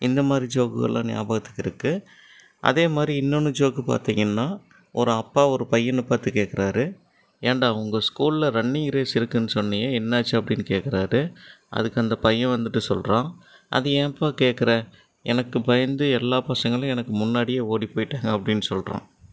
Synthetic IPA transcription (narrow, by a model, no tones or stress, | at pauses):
ɪnd̪ɐmaːd̪ɾid͡ʒoːkɯɣɐ̰ɭlʔã̰ːnja̰ːbaːɣɐt̪ːɯ̥kːɪɾɯkːɯ | ʔɐ̰ðeːmaːd̪ɾiɪnːɔnːɯd͡ʒoːɣɯpa̰ːɾt̪iːŋɡɐnːaː | ʔɔɾɯɐpːaːɔɾɯpɐjːɐnːɯpaːɾt̪ɯkeːkːɪɾaːɾɯ | eːɳɖaːʊŋɡɐskuːllɐɾɐɳːɪŋɡɪɾeːsɪɾɯkːɯnːɯsɔnːɐjeːɛnːaːt͡ʃːɯɐpːɐɽɪnːɯkeːkːɪɾaːɾɯʔɐ̰ðɯkːɯɐnd̪ɐpɐjːɐ̃ʋɐnd̪ɯʈːɯsɔ̰lɾãːʔɐ̰ðɯẽːɐpːaːkeːʈkːɐɾɐ | ɛnɐkːɯpɐjɐnd̪ɯɛlːaːpɐsɐŋɡɐɭʊ̃ɛnɐkːɯmʊnːaːɽɪjeːoːɽipoːjɪʈːaːŋɡɐɐpːɐɽɪnːɯsɔlɾã̰ː